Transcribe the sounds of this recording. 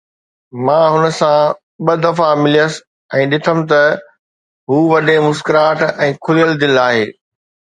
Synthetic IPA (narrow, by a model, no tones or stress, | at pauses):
mãːɦʊnə̆sã | ɓɐd̪ɐfamɪlijəs | ɛ̃ːɗɪt̪ʰəm̆t̪ɐ | ɦuːʋɐɗẽmʊskɾaːʈɛ̃ːkʰʊlijəld̪ɪlaːɦeː